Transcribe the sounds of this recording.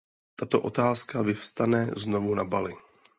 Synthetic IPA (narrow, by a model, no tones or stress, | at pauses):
t̪at̪o̞ʔot̪aːskavɪfst̪anɛzno̞vunabalɪ